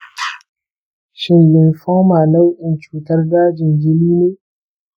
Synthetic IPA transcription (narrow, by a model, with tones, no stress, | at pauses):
ʃɪ˨nlɪ˨nɸɔ˦maː˨na˦wʔɪ˨nt͡ʃuː˨tɐ˦rdaː˦d͡ʒɪ˨nɡɪ˦niː˦neː˦